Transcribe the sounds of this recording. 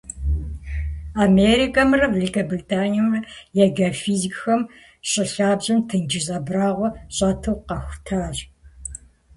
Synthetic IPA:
ameɾikʼɐmrɐvelikɐbritʰʼaːnirɐjɐɡɐfiːzikʼxɐm | ɕʼɪɬaːbʑɐmtʰɨnd͡ʒɪzʼɐbraːʁʷɔɕʼatʰɨwqɐxʷtʰaːɕʼ

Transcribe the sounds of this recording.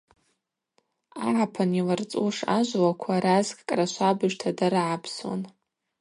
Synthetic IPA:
aʕapʰanilart͡sʼuʂaʒʷwakʷʰaɾazkʼkʼraʃʷʰabɨʒʷtʰadaɾaʕapʰswa̰n

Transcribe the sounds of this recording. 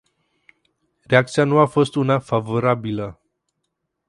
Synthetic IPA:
ɾeak̚t̪sijanuafost̪unafavoɾabilə

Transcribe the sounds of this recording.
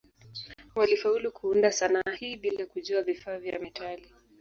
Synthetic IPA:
walifaulukuundasanahiɓilakuʄuavifaːvja̰mɛtali

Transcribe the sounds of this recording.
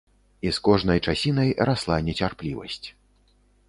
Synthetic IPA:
iskɔʐn̪ɐjt͡ʂasʲinɐjraslˠanʲːɛt͡sʲarplʲivɐ̰sʲt͡sʲ

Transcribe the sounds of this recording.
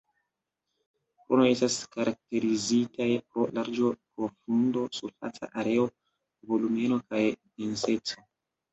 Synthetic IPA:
pɾonoje̞staskaɾʔak̚te̞ɾizitajpɾo̞laɾd͡ʒo̞pɾo̞fundo̞sufa̰t͡sa̰ʔaɾe̞o̞ | vo̞lume̞no̞kajvinse̞t͡so̞

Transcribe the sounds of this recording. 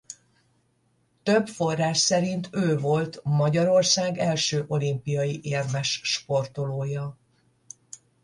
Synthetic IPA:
t̪ø̞bfo̞rːaːʃsɛɾint̪ʰøːvo̞lt̪mɒɟɒɾo̞rsaːɡɛlʃøːʔo̞limpijɒjiʔeːrmɛʃʃpo̞rt̪o̞loːjɒ

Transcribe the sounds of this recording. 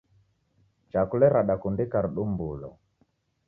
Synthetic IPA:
t͡ʃakulɛɾaɗakundikaɾuɗumbulɔ̰

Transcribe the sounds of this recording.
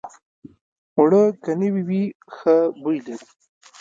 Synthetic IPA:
ʊɽəkanəwiwi | xəbujlaɾi

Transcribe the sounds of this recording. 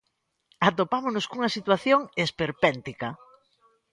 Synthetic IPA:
at̪opamonʊskuŋɐsit̪waθjoŋespeɾpɛnt̪ikɐ

